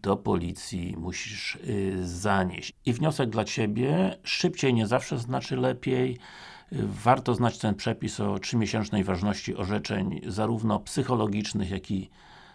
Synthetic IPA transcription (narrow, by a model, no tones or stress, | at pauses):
d̪̥ɔpɔlʲit̪sʲjḭmuɕiʂ | zaɲḛɕt͡ɕivɲɔsɛɡ̚d̪lat͡ɕebʲjɛʂɘpt͡ɕejɲɛzafʂɛznat͡ʂɘlɛpʲjej | vaɾt̪ɔznat͡ɕt̪ɛnpʂɛpʲisɔtʂɘmʲeɕɛnt͡ʂnɛjvaʐnɔɕt͡ɕiʔɔʐɛt͡ʂɛ̰ɲzaɾuvnɔpsɘxɔlɔɡʲit͡ʂnɘxjakʰʲi